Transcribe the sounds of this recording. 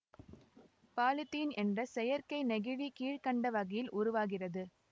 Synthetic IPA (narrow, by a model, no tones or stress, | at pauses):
paːlɪt̪ːiːnʔɛndrɐsɛjɐɾkɐɪnɛɣɯʋikiːɻkɐɳɖɐʋɐɣɐjɪlʔʊɾʊʋaːɣɪrɐðɯ